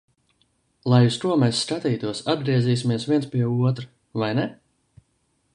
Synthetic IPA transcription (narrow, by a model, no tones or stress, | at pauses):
lˠajust̪uɔmɛjsːkat̪iːt̪uɔsad̪̚ɡɾiɛziːs̬ʲimiɛsviɛnspiɛuɔt̪ɾɨ | vajnɛ